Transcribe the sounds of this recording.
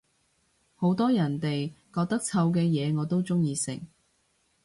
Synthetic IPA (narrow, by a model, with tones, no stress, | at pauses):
ho˨˥wt̪ɔː˥jɐ˨˩nt̪e˨jkɔː˧k̚t̪ɐ˥k̚t͡sʰɐ˧wk̬ɛː˧jɛː˨˧ŋɔː˨˧t̪o˥wt͡sʊ˥ŋjiː˧sɪ̰˨˩ŋ